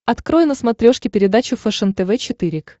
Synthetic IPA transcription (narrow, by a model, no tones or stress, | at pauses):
ɐt̪kɾojɪnəsmɐt̪ɾʲo̞ʂkʲɪpʲɪɾʲɪd̪at͡ɕʊfɛʂənt̪ɛvɛt͡ɕɪt̪ɨɾʲɪk